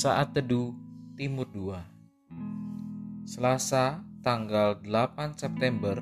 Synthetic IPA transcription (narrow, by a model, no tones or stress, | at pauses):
saʔat̪̚ːədut̪imʊrdua | səlasat̪aŋɡaldəlapansɛp̚t̪ɛmbər